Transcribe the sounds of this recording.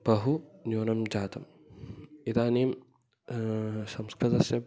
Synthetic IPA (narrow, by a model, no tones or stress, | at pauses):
bɐɦunjoːnɐmd͡ʒaːt̪ɐm | it̪aːneːm | sɐmskɾit̪ɐsjɐ